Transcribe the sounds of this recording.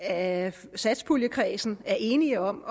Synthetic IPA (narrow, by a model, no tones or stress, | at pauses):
æsæd̥sb̥ʰuljəkʰʁɛ̰ːsn̩æɐʔe̝ːniɒ̽m